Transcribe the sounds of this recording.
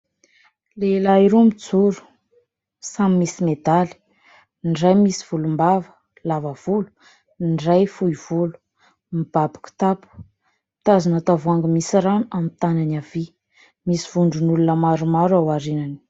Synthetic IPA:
lelaiɾomid͡zuɾu̥ | samimisimed̪ali̥ | nɖ͡ʐajmisi̥v̥ulumbavə̥ | lavəv̥ulu̥ | nɖ͡ʐajfujv̥ulu̥ | mib̥abḁku̥t̪apu̥ | t̪azanat̪avuaŋɡəmisiɾanuamit̪ananavi | misiv̥uɳɖ͡ʐunulunəmaɾumaɾawaɾinani̥

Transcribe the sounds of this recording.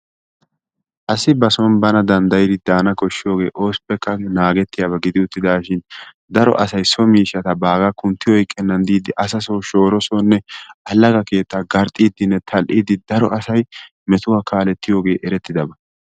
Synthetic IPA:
ʔɐsɪbɐsɔnbɐnɐd̪ɐnd̪ɐjɪd̪ɪd̪aːnɐkɔʃːɪjo̞ːɡe̞̰ːʔo̞ːspːɛkːɐnaːɡɛt̪ːɪjaːbɐɡɪd̪ɪʊt̪ːɪd̪aːʃɪn | d̪ɐɾɔ̰ʔɐsɐjsɔmiːʃɐt̪ɐbaːɡɐkʊnt̪ːɪjɔjkʼːɛnːɐnd̪iːd̪ɪʔɐsɐsoːʃo̞ːɾɔsɔnːɛʔɐlːɐɡɐke̞ːt̪ːaɡɐɾt̪ʼːiːd̪ɪnːɛt̪ʰɐlʔiːd̪ɪd̪ɐɾɔʔɐsɐj | mɛt̪ʊwaːkʰaːlɛt̪ːɪjo̞ːɡe̞ːʔɛɾɛt̪ːɪd̪ɐbɐ

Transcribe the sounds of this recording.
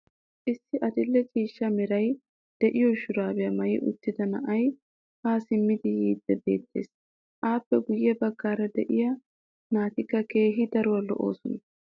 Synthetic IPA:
ʔɪsːɪʔɐd̪ɪlːɛt͡ʃʼiːʃːɐmɪɾɐj | d̪̥ɛʔɪjɔʃʊɾaːbɛjɐmɐjɪʔʊ̰t̪ːɪd̪ɐnɐ̰ʔɐj | haːsɪmːɪd̪ɪjiːd̪ːɛbe̞̰ːt̪ːe̞̰ːs | ʔaːpːɛɡʊjːɛbɐɡːaːɾɐd̪ɛʔɪjɐ | naːt̪ɪkːɐke̞ːɦɪd̪ɐɾʊwɐlɔ̰ʔo̰ːsɔnɐ

